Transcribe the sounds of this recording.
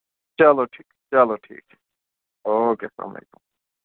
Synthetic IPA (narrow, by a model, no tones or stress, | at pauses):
t͡ʃaloʈʰiːkt͡ʃaloʈʰḭːk | oːkesa̰mḛjkum